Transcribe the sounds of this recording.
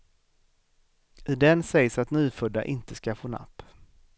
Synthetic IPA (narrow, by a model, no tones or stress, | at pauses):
ʔɪd̪ɛnsɛjsat̪nyːfɵd̪ːa̰ʔɪnt̪əskafoːna̰pː